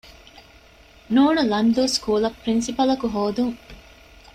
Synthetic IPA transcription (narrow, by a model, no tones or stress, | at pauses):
nuːnulɐnd̪uːskuːlɐpːɾinsipɐlɐkuɦoːd̪uŋ